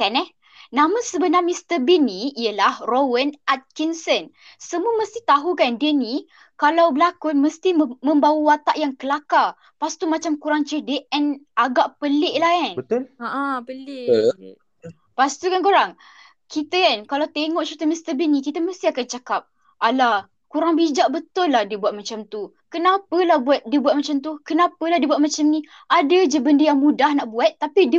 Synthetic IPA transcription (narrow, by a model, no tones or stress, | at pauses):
k̪anɛ | nãməsəbənamĩst̪əbiniijəlahrowənat̪̚kinsən | səmuəməst̪it̪aɦukandiəni | kalawbəlakʊməst̪imə̃mbawəwat̪aʔjaŋkəlaka | past̪umat͡ʃamkuɾaŋt͡ʃədeʔɛnʔaɡaʔpəlɪʔlahanbət̪ʊlaʔapəlɪ | past̪ukankuɾaŋ | kit̪əkankalawt̪eŋɔʔt͡ʃuɾit̪əmist̪əbinĩkit̪əməst̪iakant͡ʃakap̚ | ʔala | kuɾaŋbid͡ʒaʔbət̪ʊlːahdiəbuat̪̚mat͡ʃamt̪u | kənapəlahbuat̪̚diəbuat̪̚mat͡ʃamt̪̬ukənapəlahdiəbuat̪̚mat͡ʃamnĩ | ʔadəd͡ʒəbəndəjaŋmudahnaʔbuat̪̚ːapidə